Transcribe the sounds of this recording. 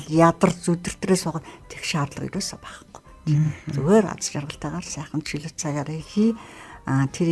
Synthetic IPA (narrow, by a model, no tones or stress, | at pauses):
ɮjat̪ə̆rt͡sut̪ɘ̆r̥t̪reːsʊʁə̆t̪ʰe̥xʃaːrɮə̆qḭɾoːsapæːχə̆χɡ̥ʊ̥j | t̪ʰt͡suɣeːɾa̰t͡sə̥̆t͡ɕarʁə̆ɬt̪æːʁaːrsæːχə̆nt̪ʃiɮɪ̆t͡sʰaɣaːɾexiː | t̪ʰeɾ